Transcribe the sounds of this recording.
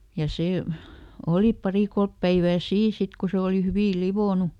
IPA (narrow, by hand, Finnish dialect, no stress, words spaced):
jɑ seˑ oli pɑri kolp pæiʋæː siːn̞ sit ko se oli hyʋiˑ liʋoˑnu